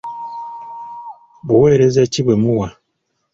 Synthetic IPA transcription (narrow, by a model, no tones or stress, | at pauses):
βuwe̞ːɾe̞zeciβwe̞muwa